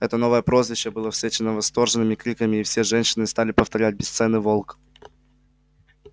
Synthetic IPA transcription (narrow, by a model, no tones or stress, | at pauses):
ɛt̪əno̞vəjəpɾo̞zvʲɪɕːəbɨlˠəfsʲet͡ɕɪnəvɐst̪o̞rʐɨnɨmʲɪkɾʲikəmʲɪːfsʲeʐɛnɕːɪnɨst̪alʲɪpəft̪ɐɾʲæt̚ʲbʲɪst̪sɛnɨvo̞lˠk